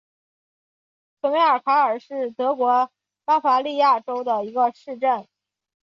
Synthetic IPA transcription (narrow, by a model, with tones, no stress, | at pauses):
t͡swə˧˥nwe˧˥ɪə˞˨˩kʰa˧˥ə˞˨˩ʂɻ̩˥˩t̪ɤ˧˥kwɔ˧˥ | pa˥fa˧˥li˥˧ja˥˩ʈ͡ʂo˥ʊd̪ə˨i˧˥ɡə˧ʂɻ̩˥˧ʈ͡ʂə˥˩n